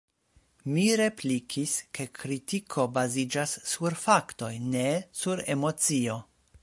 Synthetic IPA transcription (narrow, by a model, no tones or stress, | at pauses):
miɾe̞plikʰiske̞kɾitikʰo̞bazid͡ʒasːuɾfakto̞jne̞suɾe̞mo̞t͡sio̞